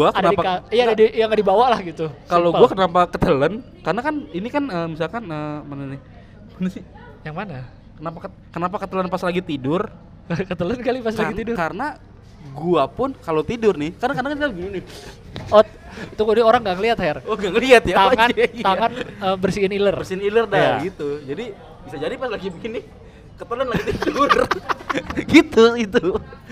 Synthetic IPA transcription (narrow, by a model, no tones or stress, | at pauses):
uakənnadipaajadadijaŋadibawalahɡit̪ukaloɡuakənapakət̪ələn | karənakaninikanəːmisalkanəmananɪ | manasɪ | jaŋmana | kənapa | kənapakət̪ələnpaslaɡit̪idʊr | əkət̪ələnkalipaslaiidʊkarəna | ɡuapʊnkalot̪idʊrnɪhkarənakanakankaɡininɪ | ɔ | t̪ukodioɾaŋɡaŋəliat̪haɛroŋɡaŋəliat̪jaaŋand͡ʒɛt̪aŋanəbərsiːnilərbərsinilərdaaɡit̪ud͡ʒadi | bisad͡ʒadipaslaɡibikɪnɪ | kət̪ələnlaɡit̪idʊr | ɡit̪uɡit̪u